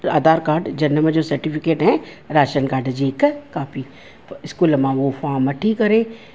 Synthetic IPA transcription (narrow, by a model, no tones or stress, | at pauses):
a̰ːd̪aːɾkaːɖd͡ʒɐnːəmãd͡ʒoːsɐɾʈipʰɪkeːʈɦɛ̃ | ɾaːʃənkaːɖd͡ʒiːkkaːpʰi | ɪskuːlmãʋofaːməʈʰikɐɾẽː